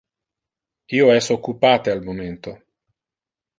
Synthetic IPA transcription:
iːoɛsːookːupaːt̪ealmoment̪o

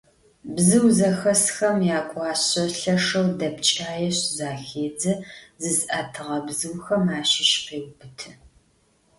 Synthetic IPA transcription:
bzɨwzɐxɐsxɐmjaːkʷʼɑːɕɐɬɐʂɐwdɐpt͡ʃʼaːjɛɕzaːxeːd͡zɐzɨzʔaːtʰɨʁɐbzɨwxɐmaːʃɪʃqeːwbɨtʰɨ

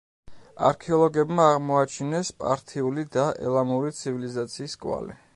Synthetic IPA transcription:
a̰ɾkʰɛɔlˠɔɡɛbmaːʁmɔat͡ʃʰinɛspʼa̰ɾt̪ʰiulid̪aʔɛ̰lˠamuɾit̪sʰivilizat̪sʰiːskʼwa̰lḭ

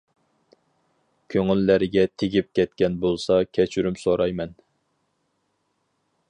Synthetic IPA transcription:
kʲʰøŋylːæɾɪɡʲɛt̪ʰeɡʲip̚kʲɛt̪kʲɛnbolˠsɑkʲʰɛt͡ʃʰyɾymsoɾɑjmɛn

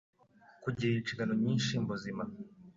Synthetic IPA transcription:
kuɟiɾint͡ʃiɡanoɲiːnʃimbuzima

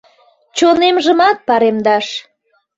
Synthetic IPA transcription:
t͡ɕonemʒəmɑt̪̚pɑɾemd̪ɑʃ

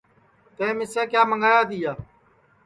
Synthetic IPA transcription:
t̪ẽːmɪseːkjaːməŋɡaːjaːd̪iːjaː

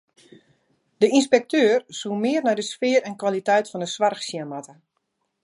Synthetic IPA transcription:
d̥əinspɛk̚tøːrsuəmɪərnɛjdəsfɪːɾɛnkʋalitɛjtfɔndəsʋarxsjamatə

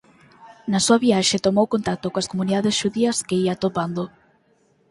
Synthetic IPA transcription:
nɐsuɐβiaʃet̪omowkont̪ak̚t̪okõɐskomuniðaðesʃuðiɐskeiat̪opand̪o

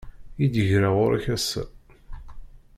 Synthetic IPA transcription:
jid̪əʝɾaʁʊɾæ̰çæsːæ̰

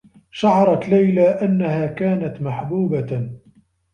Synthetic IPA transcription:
ʃaʕɑɾˤɑt̪lajlaːʔanːahaːkaːnat̪maħbuːba

